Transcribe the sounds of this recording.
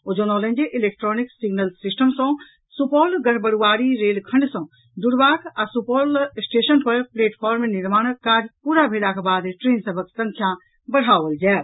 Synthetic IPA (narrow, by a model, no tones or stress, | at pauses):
ʊd͡ʒonɔːlẽnd͡ʒeʔɪleːk̚ʈɾɔːnɪksɪɡnəlsɪsʈəmsɔ̃ | supɔːlɡəɽbəɽuaːɾiɾeːlkʰɐ̃ɳɖsɔ̃ː | d̪ʊɽbaːɡʰasupɔːlsʈeːʃənpɐɾpleːʈpʰɔːɾmenɪɾmaːɳ̃kaːɾpuːɾabʱeːɽakʰebaːd̪ʈɾeːnsəbʱəksə̃ŋkʰjã | bɐɽ̤aːʋəld͡ʒɛː